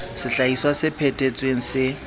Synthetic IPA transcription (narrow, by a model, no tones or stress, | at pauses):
sɪɬaiswasɪpʰetʼet͡sʼweŋ̩sɪ